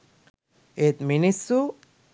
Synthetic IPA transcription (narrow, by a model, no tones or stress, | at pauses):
et̪minisu